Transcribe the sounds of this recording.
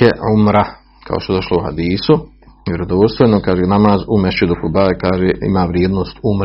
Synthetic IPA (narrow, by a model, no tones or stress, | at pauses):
eʕumɾa | kʰa̰o̰st̪od̪oʃleuha̰d̪iːsu | ʋʲjeɾod̪ost̪enokaːʒeːnamaːzumeʃed̪ukubaːekaːʒeːḭmaːʋɾjeːd̪noːst̪um